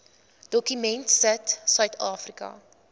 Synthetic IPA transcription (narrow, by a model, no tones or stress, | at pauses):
d̥ɔkymɛntsətsœɥtʰɑːfrikɐ̰